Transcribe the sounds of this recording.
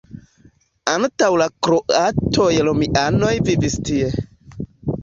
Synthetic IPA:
antawlakɾoʔatʰojlomiʔano̞jvivistie

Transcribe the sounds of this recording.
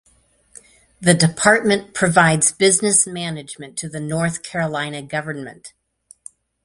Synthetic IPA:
ðɨdɨpʰɑɹt̚mɨ̃npʰɹ̥ɨvaɪdzbɪznɨsmænɨd͡ʒmɨ̃ntʰɨðɨnɔɹθkʰɛɹəlãɪ̃nɨɡʌvə˞nmɨ̰̃nt

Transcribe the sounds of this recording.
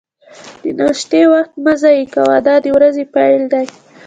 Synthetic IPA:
d̪̥ənɑʃt̪ewaxt̪mazɑjekawad̪ɑd̪əwɾazepajld̪aj

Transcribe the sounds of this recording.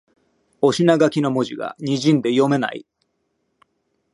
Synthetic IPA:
o̞ɕinaɡakʲino̞mo̞ʑiɡa̰ɲ̟iʑĩnd̪e̞jo̞me̞na̰ḭ

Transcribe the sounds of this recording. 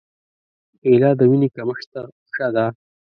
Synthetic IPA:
elɑd̪əwinikaməʂt̪a | ʂad̪a

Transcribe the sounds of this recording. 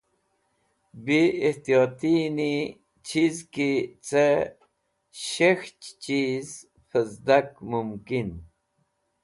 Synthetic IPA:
biːht̪ijot̪ini | t͡ɕʰizkit͡se | ɕext͡ɕt͡ɕiz | fəzd̪akmumkin

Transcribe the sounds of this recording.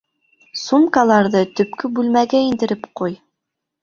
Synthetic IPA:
sumkɑlˠɑɾðɤt̪ɵ̆pkɵbʉlmæɡæind̪ɘ̆ɾɘpquj

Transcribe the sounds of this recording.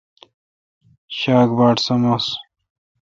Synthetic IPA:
ɕaːkbaːʈsɐmos

